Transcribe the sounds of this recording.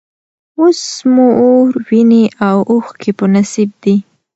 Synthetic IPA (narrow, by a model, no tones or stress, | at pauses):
osmuoɾwineʔawʔoxkʰepənasib̚d̪i